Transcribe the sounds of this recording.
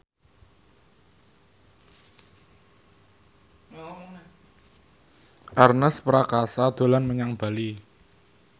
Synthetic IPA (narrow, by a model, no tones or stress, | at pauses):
ʔarnəspəɾakasad̪̥o̤lanməɲaŋb̥a̤li